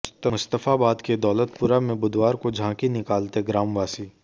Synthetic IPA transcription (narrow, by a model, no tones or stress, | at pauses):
st̪əʊst̪əfabaːd̪ked̪ɔːlət̪pʊɾamẽbʊd̪waːɾkod͡ʒʱãːkinɪkaːlt̪eɡɾaːmʋaːsiː